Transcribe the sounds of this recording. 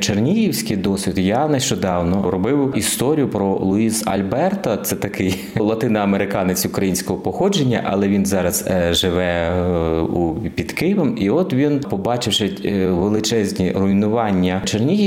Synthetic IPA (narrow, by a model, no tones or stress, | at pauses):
t͡ʃernʲijiwsʲkɪjd̪ɔsʲit̪jɑnɐʃt͡ʃɔd̪ɑwnɔɾɔbɪwist̪ɔɾʲijʊpɾɔlˠʊizɐ̰lʲbɛrt̪ɐt̪sɛt̪ɐkɪj | lˠɐt̪ɪnɐɐmeɾɪkɑnɪt͡sʲʊkɾɐjinʲsʲkɔɦɔpɔxɔd͡ʒenʲːɐ̰ʔɐ̰lˠɛʋʲinzɑɾɐz̥ʒɪʋɛ | upʲid̪kɪjɪʋɛmiɔt̪ʋʲinpɔbɑt͡ʃɪwʃɪʋelˠɪt͡ʃɛzʲnʲirʊjinʊʋɑnʲːɐt͡ʃernʲiji